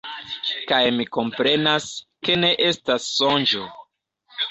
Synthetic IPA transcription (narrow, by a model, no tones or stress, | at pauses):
kajmiko̞mpɾe̞naske̞ne̞ʔe̞stasːond͡ʒo